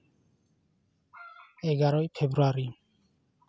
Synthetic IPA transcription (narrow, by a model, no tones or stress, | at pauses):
eɡaɾɔjpʰebɾuaɾi